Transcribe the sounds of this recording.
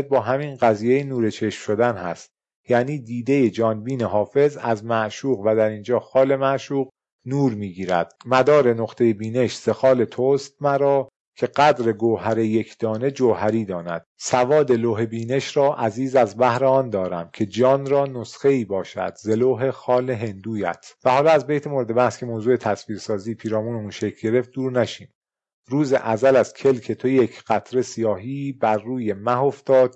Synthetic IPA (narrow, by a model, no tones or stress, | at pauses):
d̪̚bɒːɦæminɢæziːjejenuːɾet͡ʃʰe̞ʃmʃo̞d̪ænhæ̰st̪̚ | jæːniːd̪iːd̪e̞jed͡ʒɒːnbiːneɦɒːfe̞zæ̰zmæʔʃuːɣvæd̪æɾind͡ʒɒːxɒːle̞mæʔʃuːʁ | nuːɾmiːɟiːɾæ̰d̪̥mæd̪ɒːɾe̞noχt̪ʰe̞jebiːne̞ʃz̥e̞xɒːle̞t̪ʰost̪̚mæɾɒː | cʰe̞ɢæd̪ɾe̞ɡoɦæɾe̞je̞cʰd̪̥ɒːne̞d͡ʒoɦæɾiːd̪ɒːnæ̰d̪̥sævɒːd̪eloːɦe̞biːne̞ʃɾɒːʔæziːzæzbæhɾeɒːnd̪ɒːɾæmcʰe̞d͡ʒɒːnɾɒːnosχe̞iːbɒːʃæ̰d̪̥ze̞loːɦe̞xɒːleɦe̞nd̪uːjæ̰t̪ʰvæhɒːlɒːæzbejt̪ʰemoɾed̪e̞bæhscʰemoːzuːet̪ʰæsviːɾsɒːziːpʰiːɾɒːmuːneunʃecʰɟ̥e̞ɾe̞ft̪̚d̪uːɾnæʃiːm | ɾuːzḛʔæzælæzcʲʰe̞lcʰe̞t̪ʰojecʰɢ̥æt̪ʰɾe̞sijɒːɦiːbæɾːuːje̞mæɦo̞ft̪ɒːd̪̥̚